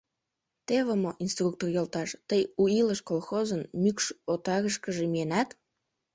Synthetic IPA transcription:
t̪eβəmoʔinst̪ruk̚t̪orjolt̪ɑʃt̪əjuiləʃkolxozənmykʃot̪ɑɣəʃkəʒemijenæt̪

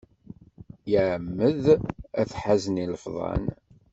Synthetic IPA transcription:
jəʕmːəðæθħæzniləfðˤɑ̰n

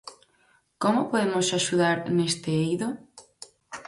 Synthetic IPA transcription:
komopoðemosaʃuðaɾnest̪ɪejðo

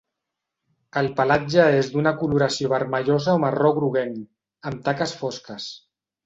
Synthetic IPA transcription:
əlˠpalad͡ʒəezd̪unəkuluɾasioβ̞əɾməʎozaomarɔɣɾuɣen | əmt̪akəsfɔskəs

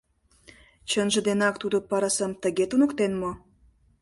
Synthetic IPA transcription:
t͡ɕənʒə̆d̪enɑkt̪ud̪opɑɾɑsəmt̪əɣet̪unə̆kt̪enmo

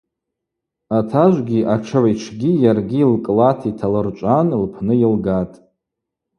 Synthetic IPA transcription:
atʰaʒʷɡʲiʔaʈ͡ʂʰaʕjʈ͡ʂʰɡʲijarɡʲiːlkʼlatʰitʰalɨrt͡ʃʷʼanlpʰnɨjilɡatʼ

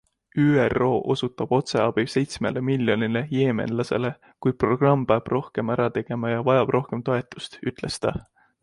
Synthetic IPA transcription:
yːero̞ːʔo̞sut̪ːˑɑb̥o̞t̪se̞ɑb̥ilse̞jt̪sme̞le̞miljo̞nile̞je̞ːme̞̰nlɑse̞̰le̞ | kujpro̞ɡ̥rɑmːpeɑb̥ro̞hke̞mæɾɑt̪e̞ɡ̥e̞mɑjɑvɑjɑb̥rʔo̞hke̞mt̪o̞e̞t̪ːˑu̥st̪yt̪ˑle̞st̪ɑ

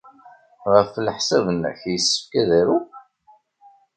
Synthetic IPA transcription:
ʁəflħsævənçjəsːə̥fkæðæɾu

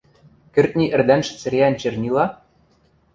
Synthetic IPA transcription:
kɘ̆rt̪̚nʲiʔɘ̆rd̪ænʃɘ̥̆t͡sɘ̆ɾʲeænt͡ɕɘ̆rnʲilɑ

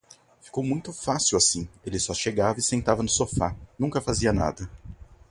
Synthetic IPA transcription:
fi̥kowmũj̃t̪ʊfasiwasĩelɪsɔʃeɡavɐɪsẽnt̪avɐnʊsofanũŋkɐfaziɐna̰d̪ɐ

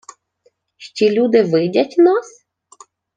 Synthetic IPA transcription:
ʃt͡ʃʲilʲud̪ɪʋɪdʲɐtʲnas

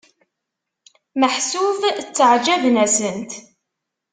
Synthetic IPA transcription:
məħsuvt͡sːəʕd͡ʒævnæsənt̪

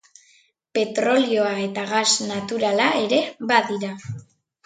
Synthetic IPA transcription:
pe̞t̪ɾo̞lio̞ae̞t̪aɣasnat̪uɾalae̞ɾe̞βaðiɾa

